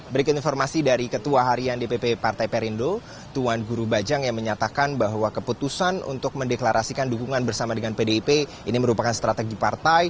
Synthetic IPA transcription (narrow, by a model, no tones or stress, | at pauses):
bəɾikʊt̪infɔrmasidaɾikət̪uaɦaɾiandepepepart̪ajpeɾindo | t̪uanɡuɾubad͡ʒaŋjaŋməɲat̪akanbaɦwakəput̪usanṵnt̪ʊk̚məndeklaɾʔasikandukuŋanbərsamadəŋanpedepe | iniməɾupakanst̪ɾat̪eɡipart̪aj